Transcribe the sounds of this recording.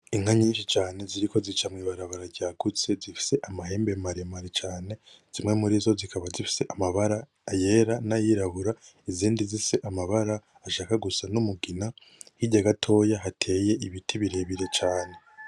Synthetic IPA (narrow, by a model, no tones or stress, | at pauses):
iŋ̥aɲiːnʃit͡ʃaːne̞ziɾiko̞zit͡ʃamŋiːβaɾaβaɾaɾɟaːɡut͡se̞zifi̥se̞ʔamaɦe̞ːmbe̞maɾimaɾit͡ʃaːne̞ | z̥imŋemuɾizo̞zikʰaβazifi̥se̞ʔamaβaɾaː | je̞ːɾanajiɾaβuɾaiziːndizise̞ʔamaβaɾaː | ʃaːkaɡusanumuɡina | hiɟaɡatʰo̞jaɦatʰe̞ːje̞ʔiβitʰiβiɾe̞βiɾe̞t͡ʃaːne̞